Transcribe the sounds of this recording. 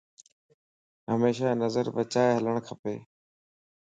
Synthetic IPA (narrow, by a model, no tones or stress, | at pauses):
ɦəmeːʃaːnəzəɾbət͡ʃaːeɦələɳ̃kʰəpeː